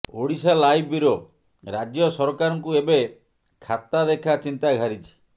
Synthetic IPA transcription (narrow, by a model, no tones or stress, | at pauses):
oɽisalajbiɾo | ɾad͡ʒjɔsɔɾɔkaɾɔŋkuebe | kʰat̪ːad̪ekʰat͡ʃint̪aɡʱaɾit͡ʃʰi̥